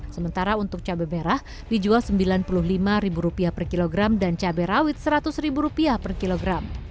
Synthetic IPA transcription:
səmənt̪aɾaunt̪ʊk̚t͡ʃabɛbeɾah | did͡ʒualsəmbilanpulʊɦlimaɾibuɾupiapərkiloɡɾamdant͡ʃabɛɾawɪt̪̚səɾat̪ʊsribuɾupiapərkiloɡɾam

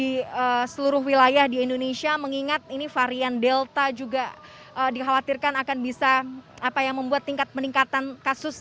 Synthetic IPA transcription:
iəsəluɾʊhwilajahdiːndonesiaməŋiŋat̪̚inifaɾiandɛlt̪ad͡ʒuɡa | ʔəːdiɦawat̪irkanakanbisaapajaŋməmbuat̪ːiŋkat̪̚pəniŋkat̪ankasʊs

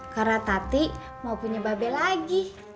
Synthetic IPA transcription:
kaɾnat̪at̪i | maupuɲababɛlaɡi

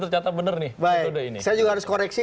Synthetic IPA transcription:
t̪ərt͡ʃat̪at̪̚bənərnɪhbaodainisajad͡ʒuɡahaɾʊskoɾɛksi

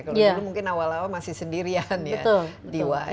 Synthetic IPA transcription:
kaljalumuŋkɪnawalawamasɪhsəndiɾianjəat̪ʊldiwa

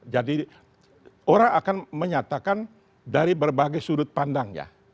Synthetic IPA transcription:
d͡ʒadi | oɾaŋakanməɲat̪akan | daɾibərbaɡajsuɾʊt̪̚pandaŋja̰

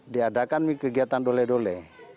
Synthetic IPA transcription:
diadakanmikəɡiat̪andolɛdolɛ

